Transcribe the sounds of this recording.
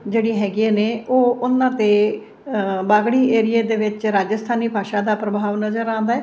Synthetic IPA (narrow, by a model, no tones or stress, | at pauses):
d͡ʒeːɽiːɦɛːɡɪeːneːʔoːʊnãːt̪eː | baːɡɽiːeːɾɪjeːd̪eːʋɪt͡ʃɾaːd͡ʒəst̪ʰaːniːbʱaːʃaːd̪aːpɾəbʱaːʋnəzəɾãːnd̪aɛː